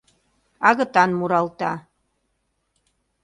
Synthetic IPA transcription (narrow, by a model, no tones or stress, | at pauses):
ɑɣɤ̆t̪ɑnmuɾɑlt̪ɑ